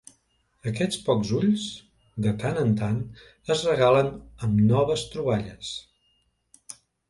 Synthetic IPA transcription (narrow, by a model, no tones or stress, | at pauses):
əkɛt͡spɔkzuʎz | d̪ət̪anənt̪an | əzrəɣalənəmnɔβəst̪ɾuβaʎəs